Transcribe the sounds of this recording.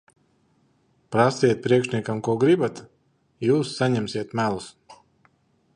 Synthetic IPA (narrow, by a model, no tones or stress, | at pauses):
pɾasiɛt̪̚pɾiɛkʃniɛkamkuɔɡɾibat̪ | juːsːaɲɛmsʲiɛt̪mælˠus